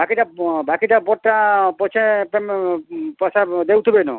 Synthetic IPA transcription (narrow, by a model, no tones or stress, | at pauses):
bakiʈabakiʈapɔʈʈːapɔt͡ʃʰepmpɔsad̪ewt̪ʰibenṵ